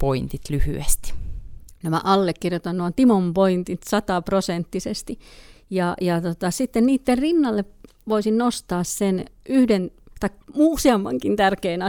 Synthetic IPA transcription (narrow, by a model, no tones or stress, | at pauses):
point̪it̪lyhyest̪i̥næmæ̰ʔɑlːekːirjot̪ɑnnuɑt̪imompoint̪it̪sɑt̪ɑprosent̪ːisest̪i | jɑjɑt̪ot̪ɑsit̪ːenniːt̪ːerrinːɑlːep | ʋoisinnost̪ɑːssenyhdent̪ɑikmuːsiɑmːɑŋkint̪ærkeːnɑ